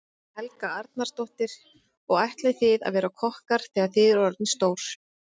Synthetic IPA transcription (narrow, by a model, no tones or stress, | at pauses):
hɛlkaaɾt̪̚naɾ̥st̪ɔht̪ɪɾ̥ | ɔɣajht̪laθɪða̰ðvɛːɾakʰɔhkaɾ̥θɛːɣaθɪðʏɾɔɾt̪nst̪oːwɾ̥